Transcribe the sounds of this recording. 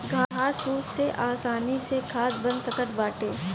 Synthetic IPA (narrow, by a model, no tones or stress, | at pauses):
ɡʱaaːsɾuːsseʔaːsaːnisekʰaːsbɐnsəkət̪baːʈeː